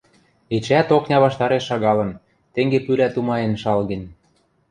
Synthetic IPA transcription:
et͡ɕæt̪oknʲɑβɑʃt̪ɑɾeʃːɑɣɑlɤ̆n | t̪eŋɡepylæt̪umɑjenʃɑlɣĕn

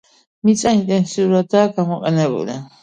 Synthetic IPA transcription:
mit͡sʼaint̪ʼɛnsiuɾat̪aːkamaqʼɛnɛbṵlɛ

